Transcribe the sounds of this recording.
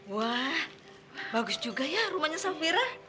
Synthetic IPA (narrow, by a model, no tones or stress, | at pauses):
wah | baɡʊsd͡ʒuɡajarumaɲasabiɾa